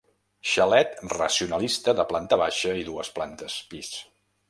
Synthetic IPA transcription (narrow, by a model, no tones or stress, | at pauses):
ʃəlɛt̪rəsiunəlist̪əðəplant̪əβ̞aʃəiðuəsplant̪əspis